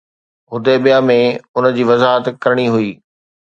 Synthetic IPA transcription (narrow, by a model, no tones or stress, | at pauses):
ɦʊd̪eɓijãmẽʊnəd͡ʑiːʋɐzaːɦət̪kɐɾɪɽ̃iɦʊiː